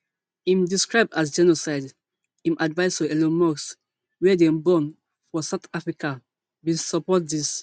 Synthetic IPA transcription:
ĩmdiskɹaɪb̚dasd͡ʒɛnosaɪd | ĩmʔadvaɪsfɔɛlɔmɔks | wɛdɛ̃mbɔ̃n | fɔsaʊt̪ʰafɹikʰa | wĩsɔpɔt̚dis

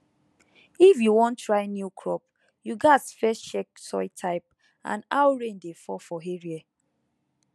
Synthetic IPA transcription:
ifjuwɔ̃ntːɹaɪnjukʰɹɔp̚ | juɡatfɛst͡ʃɛksɔ̰ɪtʰaɪp̚ | ã̰nawɹẽndefɔfɔɦeɹiɛ

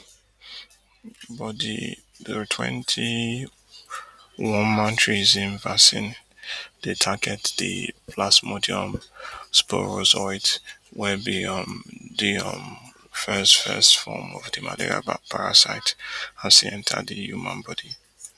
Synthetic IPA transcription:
bɔdḭ | ðəɹtʰwɛ̰̃ntʰi | wɔ̃nmãntʰɹizĩnvasĩnd̥etʰaɡɛtdḭpʰlasmodiɔ̃mspɔɹosɔɪtwɛbiɔmdiʌ̃m | fɛstfɛ̰stfɔ̰mɔvdima̰lḛɹia̰pʰaɹasaɪtãnsiɛ̃ntʰa̰dihumã̰nbɔdi

